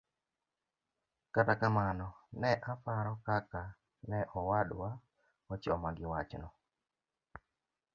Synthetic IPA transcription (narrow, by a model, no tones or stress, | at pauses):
katakamanɔnɛʔafaɾɔkaka | nɛʔɔwaɗwa | ɔt͡ʃɔmaɡɪwat͡ʃnɔ